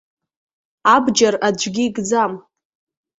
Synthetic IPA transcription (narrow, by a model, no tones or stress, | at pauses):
abd͡ʒarad͡ʒʷɡʲiːɡʼd͡zam